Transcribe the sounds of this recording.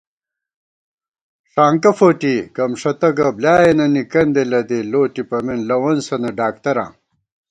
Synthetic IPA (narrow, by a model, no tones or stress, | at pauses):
ʂaːŋkɐfoːʈikɐmʂɐt̪ɐɡɐbljaːjenɐnikɐnd̪elɐd̪iloːʈipɐminlɐwɐnsɐnɐɖaːk̚t̪ɐɾã̰ː